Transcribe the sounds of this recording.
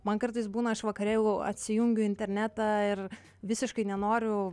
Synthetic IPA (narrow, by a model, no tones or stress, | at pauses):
mɐnkɐrt̪ɐɪsbuːnɐɪʃʋɐkɐɾʲeːlʲˠʊɐ̰t̪ʲsʲɪjʊŋʲɡʲʊɪnʲt̪ʲɛɾʲnʲæt̪ɑːɪr | ʋʲɪsʲɪʃkɐɪnʲɛnoːɾʲʊ